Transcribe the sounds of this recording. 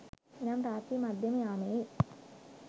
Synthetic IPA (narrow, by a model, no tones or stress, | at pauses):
inaːmɾaːt̪imɐd̪ʱjɐmɐjaːmeː